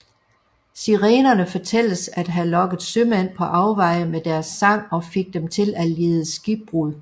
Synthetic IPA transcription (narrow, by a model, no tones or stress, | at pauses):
siʁeːnɐnəfɒ̽t͡sʰel̰əsæd̥ɦælɒ̽ɡ̥ð̩ˠsømæn̰pʰɒ̽ʔɑ̈ʊʋɑ̈ɪ̰əmed̥æɐsːɑ̈ŋ̰ɒ̽fe̝ɡ̥̚d̥emt͡sʰe̝læleːð̞ˠəsɡ̥ib̥̚ʁuðˠ